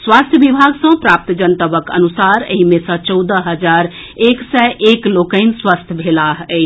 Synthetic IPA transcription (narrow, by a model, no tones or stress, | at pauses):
swast̪ʰjəbibʱaɡsə̃pɾaːp̚t̪d͡ʒənt̪əbəkə̰nusaɾə̰ɦimẽsə̃t͡ʃɔwd̪əɦəd͡ʒaɾ | eksɛʔeklokəɪnswast̪ʰəbʱelaɦə